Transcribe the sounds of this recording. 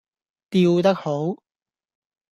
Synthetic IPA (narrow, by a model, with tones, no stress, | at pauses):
t̪iː˧wt̪ɐ˥k̚ho˨˥w